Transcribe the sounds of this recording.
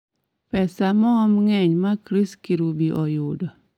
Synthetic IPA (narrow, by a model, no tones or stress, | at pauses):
pɛsamɔːmŋɛɲmakɾiskiɾubiʔɔjʊdɔ